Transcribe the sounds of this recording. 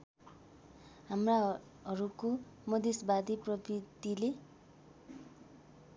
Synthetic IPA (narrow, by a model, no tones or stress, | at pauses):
ɦamra | ʌɾuko | mʌd̪ʱesbad̪iprʌbid̪ile